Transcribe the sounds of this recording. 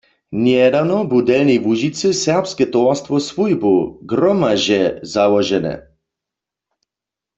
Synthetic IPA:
njɛd̪awnɔbud̪ɛlnivuʒit̪sɛsɛʁpskɛt̪ɔrst̪ʋɔsvujbuɡɾɔmaʒɛzalɔʒɛnɛ̰

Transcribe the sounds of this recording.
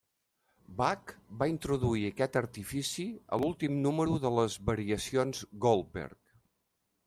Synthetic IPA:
bakbaint̪ɾuðuiəkɛt̪əɾt̪ifisiə̰lulˠt̪imnuməɾuðələzβəɾiəsionzɡolˠbɛ̰rk̚

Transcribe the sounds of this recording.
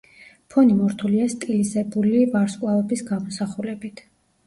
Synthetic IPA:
pʰɔnimɔɾt̪ʰuliast̪ʼilisɛbulivaɾskʼlˠavɛbisɡamɔsaχulɛbit̪ʰ

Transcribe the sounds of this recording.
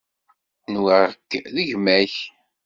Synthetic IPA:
nwəɾkːðəʝmæç

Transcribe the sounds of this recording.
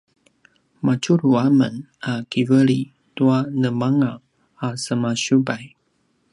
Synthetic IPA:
mat͡ʃuɾuamən | akivəɾi | tuanəmaŋaː | səmaɕubaj

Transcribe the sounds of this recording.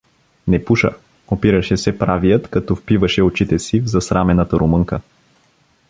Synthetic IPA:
nɛpuʃə̰ | opiɾəʃɛsɛpɾavijət̪kɐt̪ɔfpivəʃɛot͡ʃit̪ɛsivzɐsɾʔamɛnət̪ɐɾomɤŋkə

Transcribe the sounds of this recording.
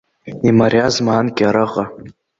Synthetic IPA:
imaɾjazmaːnkʲʼaɾɨqʼa

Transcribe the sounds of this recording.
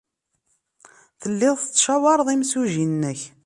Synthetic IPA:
θəlːɪðˤθət͡sːʃæwɑɾˤðˤimsuʒinnːəç

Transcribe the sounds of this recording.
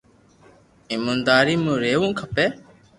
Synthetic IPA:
imõnd̪aːɾiːmũːɾeːʋũːkʰəpeː

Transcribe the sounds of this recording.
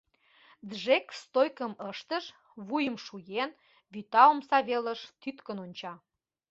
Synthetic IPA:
d̪ʒekst̪ojkəməʃt̪əʃ | βujəmʃujen | βyt̪ɑomsɑβeləʃt̪yt̪kə̆nonʲt͡ɕɑ

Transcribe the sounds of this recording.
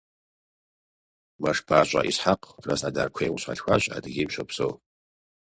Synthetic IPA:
maʂbʰaːɕʷʼa̰ʔisħaqʼrasadarkʷʰejwɕʷʰa̰ɬxʷaɕʼa̰dɡʲimʃʷɐpso̰w

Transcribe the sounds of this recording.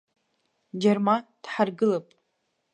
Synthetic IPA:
d͡ʒermand̥ħarɡɨlapʼ

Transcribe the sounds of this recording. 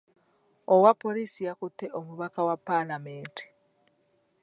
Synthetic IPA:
owapːo̞lisijakuteʔomuβakawapalameːnte̥

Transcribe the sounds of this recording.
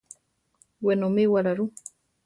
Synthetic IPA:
wenomewaɾaɾu

